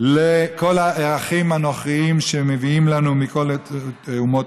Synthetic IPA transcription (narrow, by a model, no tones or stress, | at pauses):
leko̞laʔeʁaχimanoχʁiimʃemeviimlanumiko̞l | umo